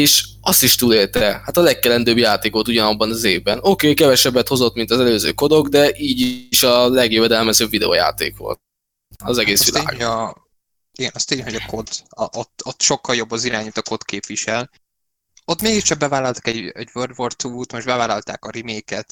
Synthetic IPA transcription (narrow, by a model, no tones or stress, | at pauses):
eːʃ | ɒst̪iʃt̪uːleːlt̪ɛhat̪ɒlɛkːɛlɛnd̪øːbjaːt̪eːko̞lt̪uɟɒnɒbːɒnɒzeːvbɛno̞keːkɛvɛʃɛbːɛt̪ho̞zo̞t̪mint̪ɒzɛløːzø̰ːko̞d̪o̞ɡd̪ɛʔiːɟiʃɒlɛɡjøvɛd̪ɛlmɛzøːbvid̪ɛo̰ja̰ːt̪ḛːkʋo̰lt̪̚ | ɒzɛɡeːsʋilaːɡ | iɡɛnɒst̪eːɲɦoɟɒkʰo̞d̪ɒʔot̪ːot̪ːʃo̞kːɒljo̞bːɒziɾaːɲut̪ɒko̞t̪keːpvʋiʃɛl | ot̪meːɡiʃt͡ʃɒk̚bɛvaːlɒlt̪ɒ̥kɛɟɛ̰ɟvørd̪vort̪uːt̪moʒbɛvaːlɒlt̪a̰ːkɒɾimeːkɛt̪